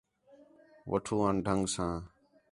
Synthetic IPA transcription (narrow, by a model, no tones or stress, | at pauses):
ʋə̰ʈʰuːãːnɖʱəŋɡsãː